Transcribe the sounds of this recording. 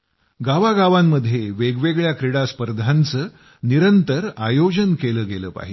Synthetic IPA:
ɡaʋaɡaʋamːəd̪ʱːjeʋeɡʋeɡɭjakɾiɽaspəɾd̪ʱant͡səː | niɾənt̪əɾajod͡ʑənkeləːɡeləːpa̰ɦḭ

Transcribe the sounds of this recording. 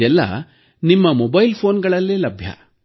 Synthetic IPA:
ɛlːɐ̰ | nimːɐmɔbɐjlpʰoːnɡɐɭɐlːilɐbʱjɐ̰

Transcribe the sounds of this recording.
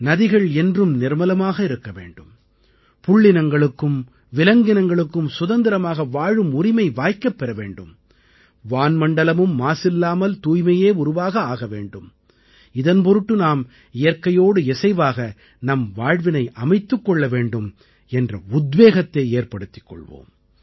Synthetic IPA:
nɐðɪɣɐɭɛndrɯmnɪɾmɐlɐmaːɣɐɪɾɯkːɐʋḛːɳɖɯm | pʊɭːɪnɐŋɡɐɭɯkːɯm | ʋɪlɐŋɡɪnɐŋɡɐɭɯkːɯmsʊðɐnd̪ɪɾɐmaːɣɐʋaːɻɯmʊrɪmɐɪʋaːjkːɐpːɛɾɐʋḛːɳɖɯm | ʋaːnmɐɳɖɐlɐmɯmːaːsɪlːaːmɐlt̪uːjmɐjeːʊɾʊʋaːɣɐaːɣɐʋḛːɳɖɯm | ɪðɐnpɔɾɯʈːɯnaːm | ɪjɐɾkɐjoːɽɯɛsɐɪʋaːɣɐ | nɐmʋaːɻʋɪnɐɪʔɐmɐɪt̪ːɯkːɔɭːɐʋeːɳɖɯm | ɛndrɐʊd̪ʋeːɣɐt̪ːeːeːrpɐɽɯt̪ːɪ̥kːɔ̰ɭʋo̰ːm

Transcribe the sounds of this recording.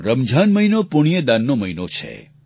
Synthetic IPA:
ɾəmd͡ʒʱanməjnopuɽ̃ijəd̪anːoməinot͡ʃʰḛ

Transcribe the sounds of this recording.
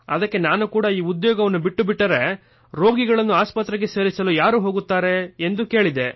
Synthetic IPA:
ɐ̰d̪ɐkːe̞naːnukuːɽɐiːud̪joːɡɐʋɐnːubiʈːubiʈːɐɾe̞ | ɾo̞ːɡiɡɐɭɐnːuaːspɐt̪ɾɛɡe̞se̞ːɾisɐlujaːɾuːɦo̞ːɡut̪ːaːɾe̞ːnd̪uke̞ːɭid̪e̞

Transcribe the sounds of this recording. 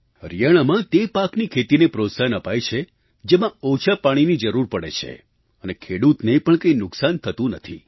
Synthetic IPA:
əɾijaɽ̃amãt̪epaknikʰet̪inepɾot̪sanəpajt͡ʃʰe | d͡ʒemãot͡ʃʰapaɽ̃inid͡ʒəɾuɾpəɽḛt͡ʃʰḛ | ənekʰeɽut̪nepəɳkəinʊksant̪ʰət̪ũnət̪ʰḭ

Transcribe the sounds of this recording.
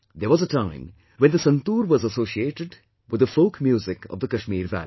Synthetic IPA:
d̪əɾʋɔzəʈãɪ̃m | wɛ̃nd̪əsə̃nt̪uːɾʋɔzəsoːʃieːʈɪɖ | wɪd̪əfoʊkmjuːzɪkɔ̰vd̪əkɐʃmiːɾʋæ̰li

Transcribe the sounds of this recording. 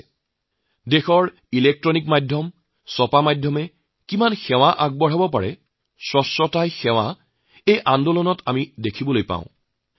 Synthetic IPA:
dexɔɹ | ilek̚tɹɔnikmajdʱjɔm | sɔpamajdʱjɔmɛ | kimanxɛw̃aʔaɡ̚bɔɹabɔpa̰ɹɛ̰ | sɹɔsːɔtajxɛw̃a | ejʔandɔlɔnɔtʰamidekʰibɔlojpa̰ʊ̃

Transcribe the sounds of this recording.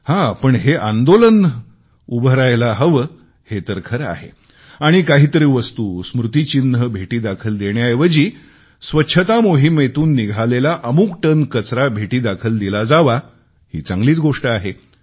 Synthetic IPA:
hãpəɳɦeʔãnd̪olən | ubʱəɾajlaɦəʋə | het̪əɾkʰəɾa̰ɦḛ | aɽ̃ikaɦiːt̪əɾiʋəst̪uːsmɾut̪it͡ɕinːəbʱeʈiːd̪akʰəld̪eɳjajʋəd͡ʑiː | sʋətːɕʰət̪amoɦimet̪uːnːiɡʱalelaʔəmuːkʈənkət͡sɾabʱeʈiːd̪akʰəld̪ilad͡zaʋa | hḭːt͡sãŋɡliːt͡sɡoʂʈəaɦe

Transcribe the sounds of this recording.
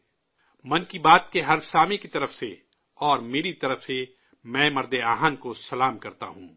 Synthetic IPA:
mɐnkibaːt̪̚keɦɐɾsaːmekit̪ɐɾəfse | ɔːɾmeːɾit̪ɐɾəfse | mɛ̃ːmɐɾd̪eaːɦənkosɐlaːmkɐɾt̪a̰ɦũː

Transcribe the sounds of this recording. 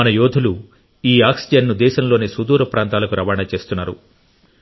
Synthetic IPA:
ɐnɐjoːd̪ʱulu | iːaːksid͡ʒenːud̪ɛːʃɐmlo̞ːneːsud̪uːɾɐpɾaːnt̪aːlɐkuɾɐʋaːɳɐt͡ʃe̞ːst̪unːaːɾṵ

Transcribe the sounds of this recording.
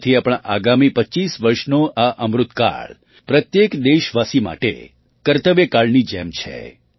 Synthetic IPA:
t̪ʰiapɽ̃aʔaɡamipəːt͡ʃːisʋəɾʃnoʔaʔəmɾʊt̪ka̰ɭ | pɾət̪jekd̪eʃʋasima̰ʈḛ | kəɾt̪əʋjekaɭnid͡ʒɛmt͡ʃʰḛ

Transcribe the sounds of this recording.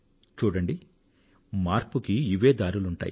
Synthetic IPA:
t͡ʃuːɽɐɳɖi | maːɾpukiiʋe̞ːd̪aːɾuluɳʈa̰ːji

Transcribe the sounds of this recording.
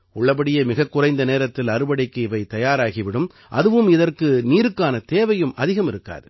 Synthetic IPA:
ʊɭːɐp̬ɐɽɪjɐmɪɣɐkːʊrɐɪnd̪ɐneːɾɐt̪ːɪlɐɾɯbɐɽɪkːɯɪʋɐɪt̪ɐjaːɾaːɣɪʋɪɽɯm | ʔɐ̰ðɯʋɯmɪðɐrkɯniːɾɯkːaːnɐt̪eːʋɐjɯmɐðɪɣɐmɪɾɯkːa̰ːðɯ

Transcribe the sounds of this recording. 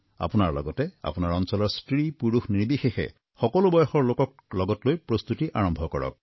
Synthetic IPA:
a̰punaɹlɔ̰ɡɔtɛa̰punaɹɔnsɔlɔɹstɹipuɹuxniɹbixexɛ̰ | xɔkɔlobɔjɔxɔɹlokɔk̚ | lɔɡɔtlojpɹost̪utiʔaɹɔmbʱɔkɔɹɔ̰k̚

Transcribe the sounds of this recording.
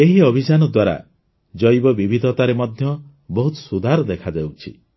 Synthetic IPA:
eɦiɔbʱid͡ʒanɔd̪waɾa̰ | d͡ʒɔjbɔbibʱid̪ʱɔt̪aɾemɔd̪ʱjɔ | bɔɦut̪ɔ̥sud̪ʱaɾɔd̪ekʰad͡ʒawt͡ʃʰḭ

